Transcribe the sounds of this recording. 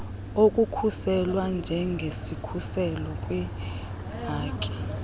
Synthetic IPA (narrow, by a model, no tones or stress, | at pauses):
okʼukʰusɛlwand͡ʒʱɛŋɡʱesikʰusɛlɔkʼwɛ | ɦaːkʼi̥